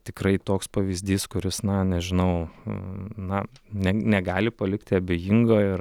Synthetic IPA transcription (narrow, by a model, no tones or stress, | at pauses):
t̪ʲɪkɾɐɪt̪oːkspɐʋʲizʲd̪ʲiːskʊɾʲɪsnɐnʲɛʒʲɪnɐʊ | nɐnʲɛnʲɛɡɑːlʲɪpɐlʲɪkt̪ʲɪɐbʲeːjɪŋɡoːɪɾ